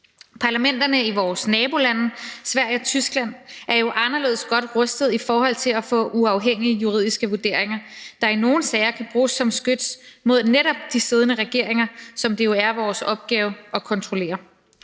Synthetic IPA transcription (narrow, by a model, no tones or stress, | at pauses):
pʰɑ̈læmen̰d̥ɐnəiʋɒːsnɛːb̥o̝lænsʋæɐ̰ɪɒ̽t͡sʰysɡ̥læn̰æɐjo̝ʔɑ̈nɐle̝ːðˠsɡ̥ɒ̽d̥ʁœsd̥ð̩ˠifɒːhɒ̽l̰t͡sʰe̝læfɔ̰̽ːuɑ̈ʊɦeŋ̰iəjuʁḭðˠisɡ̥əʋuɐd̥e̝ɐ̰eŋɐd̥ɑ̈ino̝ːn̩sɛɪɐkʰæb̥ʁuːsːɒ̽msɡ̥ød̥smo̝ð̞̰ˠneɾ̥ɒ̽b̥̚d̥ise̝ð̞ˠnəʁɛɡ̥e̝ɐ̰eŋɐsɒ̽md̥e̝jo̝æɐʋɒːsɒ̽b̥̚ɡ̥ɛːʊɒ̽kʰɒ̽nt͡sʰʁo̝le̝̰ːɐ